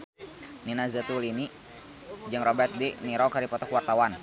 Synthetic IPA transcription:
ninazət̪ulini | d͡ʒɨŋrɔbɛt̪̚diniɾɔkaɾipɔt̪ɔkwart̪awan

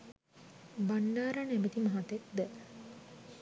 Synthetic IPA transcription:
banːaːɾanemet̪imaɦat̪ek̚d̪ɛ

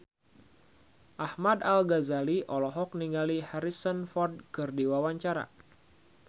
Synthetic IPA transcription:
ʔahmadalɡazaliʔɔlɔɦɔk̚niŋɡalihaɾisənfɔrd̚kɨrdiwawaɲt͡ʃaɾa̰

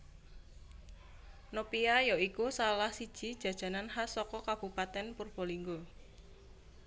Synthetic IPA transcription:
nopiajoikusalahsid̥ʒ̥i̤d̥ʒ̥ä̤d̥ʒ̥a̤nanhasɔkɔkab̥ṳpat̪ɛnpurb̥oliŋɡo

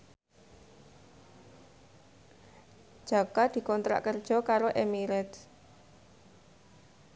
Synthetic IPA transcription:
d̥ʒ̥a̤kad̪̥i̤kɔnt̪ɾa̰ʔkərd̥ʒ̥ɔ̤kaɾoʔemiɾɛt̪

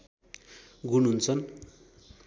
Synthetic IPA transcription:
ɡunɦunt͡sʰʌn

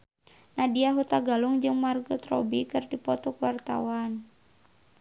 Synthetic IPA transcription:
nadiaɦut̪aɡaluŋd͡ʒɨŋmarɡut̪rɔ̰bikɨrdipɔt̪ɔkuwart̪a̰wan

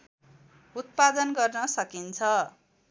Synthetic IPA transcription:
ut̪̚pad̪ʌnɡʌrnʌsʌkint͡sʰʌ

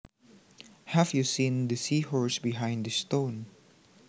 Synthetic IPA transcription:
hævjusĩnd̪əsiːhɔɹsbɪɦãj̃nd̪əst̪õʊn

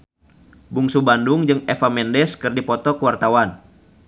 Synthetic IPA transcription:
buŋsubandʊŋd͡ʒɨŋefamɛndɛskɨrdipɔt̪ɔkəwart̪awan

